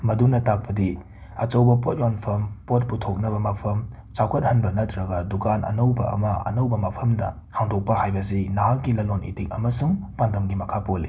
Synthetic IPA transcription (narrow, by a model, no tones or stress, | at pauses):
mɐdunɐtak̚pɐdi | ɐt͡ʃɐwbɐpot̚jonpʰɐmpot̚putʰok̚nɐbɐmɐpʰɐm | t͡ʃawkʰɐt̚hɐnbɐnɐtɾɐɡɐdukanʔɐ̰nɐwbɐ̰ʔɐ̰mɐʔɐ̰nɐwbɐmɐpʰɐmdɐ̰ | haŋdok̚pɐɦajbɐsinaalɡilɐlonʔḭtik̚ɐ̰mɐsuŋpandɐmɡimɐkʰapolːi